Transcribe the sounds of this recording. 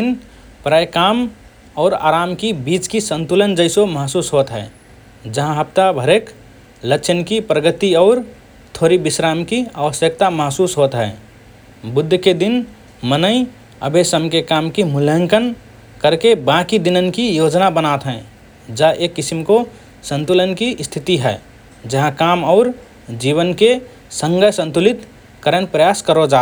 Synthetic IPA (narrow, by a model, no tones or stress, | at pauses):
n | pɾajkaːm | ɔːɾa̰ːɾaːmkibiːt͡ʃkisə̃nt̪ulənd͡ʒəɪsoməɦsuːsɦoːt̪ɦɛ̰ː | d͡ʒəɦãɦəpt̪abʱəɾeːk | lət͡ʃʰənkipɾəɡət̪iɔːɾ | t̪ʰoːɾibɪsɾaːmkia̰ʋəsjək̚t̪aməɦsuːsɦoːt̪ɦɛː | bʊd̪ʱːked̪ɪn | mənəi | ə̰bʱesəmkekamkimulə̃ŋkən | kəɾkebãkid̪inənkijod͡ʒnabənat̪ɦɛ̃ | d͡ʒaʔekːɪsimko | sə̃nt̪ulənkiʔst̪ʰit̪iɦɛː | d͡ʒəɦãkaːmɔʊɾ | d͡ʒiβənke | sə̃ŋɡəsə̃nt̪ulit̪ | kəɾənpɾəjaskəɾod͡ʒaː